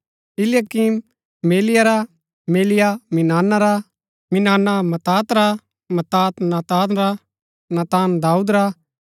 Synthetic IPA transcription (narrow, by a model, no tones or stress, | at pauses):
ɪlɪjakim | meːlɪjaɾa | meːlɪjamɪnaːnaɾa | mɪnaːnamɐt̪aːt̪ɾa | mɐt̪aːt̪naːt̪aːnɾa | naːt̪aːnd̪aːuːd̪ɾa